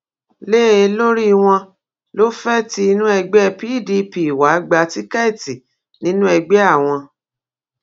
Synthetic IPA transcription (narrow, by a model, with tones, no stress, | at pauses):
le˦˨e˧lo˦ɾi˦˧w̃ɔ̃˧ | lo˦fɛ˦ti˧˦i˧nũ˦ɛ˧ɡ͡bɛ˦˧pi˦˨di˧pi˨i˨wa˨˦ɡ͡ba˧˦ti˦kɛ˦˨ti˨ | nĩ˦nũ˦ɛ˧ɡ͡bɛ˦a˦˨w̃ɔ̃˧